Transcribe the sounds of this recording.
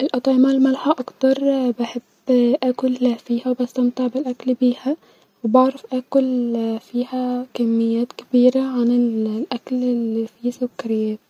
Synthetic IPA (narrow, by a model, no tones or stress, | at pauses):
ʔɪlʔɑt̪ˤɑʕɪmɑlmalħaʔɑkt̪ɑɾˤbaħebːʔæːkʊlːæfiːhæwbast̪ɑmt̪ˤɪʕbɪlʔæklbiːhæ | wɪbɑʕɾˤɑfʔæːkʊlfiːhækamːɪjːæːt̪kɪ̥biːɾaʕanɪllʔæklɪlːifiːsʊkːaɾɪjːæːt̪̚